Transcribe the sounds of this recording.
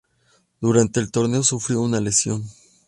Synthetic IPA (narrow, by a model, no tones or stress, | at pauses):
d̪̥uɾant̪e̞ːlt̪o̞ɾne̞o̞sufɾjo̞unale̞sjo̞n